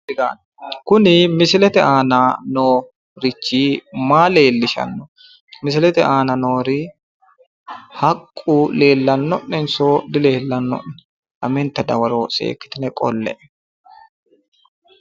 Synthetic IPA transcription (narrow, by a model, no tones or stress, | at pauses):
ɪɡa̰ːn | kʊnɪmɪsɪlɛt̪ɛaːnanoː | ɾɪt͡ʃːiːmaːle̞ːlːɪʃɐ̰nːɔ | mɪs̬ɪlɛt̪ɛaːnɐnoːɾɪ | hɐkʼːule̞ːlːɐnːɔʔːɛnsoːd̪ɪle̞ːlːɐnːɔ̰ʔːɛ | ᶑɐmɛnt̪ːɐd̪ɐwɐɾoːsḛːkːɪ̥t̪ɪnɛkʼɔ̰lːɛ̰ʔɛ